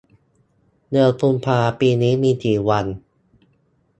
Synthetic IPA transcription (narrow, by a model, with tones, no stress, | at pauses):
nɯ˧əpʰu˧npʰaː˧piː˧niː˦˥miː˧t̪ʰiː˨˩˦wa˧n